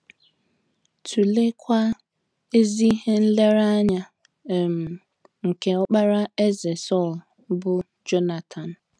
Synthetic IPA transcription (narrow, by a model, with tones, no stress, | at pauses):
tʰu˨le˦kʷa˦ | e˦zi˦ɦe˦n̩˦le˦ɾa˦a˦ɲa˨ | m̩˨ | ŋ̩˨ke˨ɔ˦k͡pa˦ɾa˦e˦ze˨sɔ˦˨l | bʊ˦ | d͡ʒo˦na˨tʰa˨n̩˨